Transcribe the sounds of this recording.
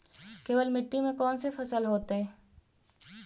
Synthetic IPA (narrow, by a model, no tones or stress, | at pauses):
keːʋəlmɪʈːimẽkɔːnsefɐsəlɦoːt̪eɦɛ̃ː